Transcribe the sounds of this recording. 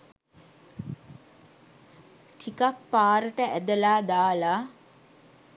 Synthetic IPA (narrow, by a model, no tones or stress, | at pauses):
ʈʰikapːaːɾəʈəæd̪əlaːd̪aːla